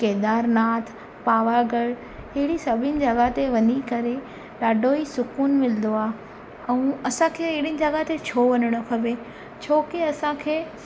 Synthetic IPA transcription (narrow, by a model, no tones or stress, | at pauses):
keːd̪aːɾnaːt̪ʰ | paːʋaɡəɽ | ɪɦɪɽisɐbʱɪnɪ̆d͡ʑɐɡat̪eʋɐɲikɐɾe | ɗaːɖʱoisʊkuːnmɪlɪnd̪oaː | ɛ̃ũɐsãkʰeːɪɦɪɽinɪ̆d͡ʑɐɡat̪et͡ɕʰoːʋɐɲəɽ̃ʊkʰɐʋe | t͡ɕʰoːkeɐsãkʰeː